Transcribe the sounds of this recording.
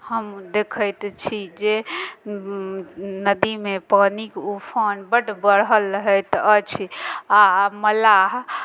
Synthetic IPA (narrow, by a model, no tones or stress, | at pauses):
həmd̪ekʰəjt̪t͡ʃʰid͡ʒe | nəd̪imepanikupʰənbəɖbəɽɦəlːəɦət̪ət͡ʃʰiaməlaɦ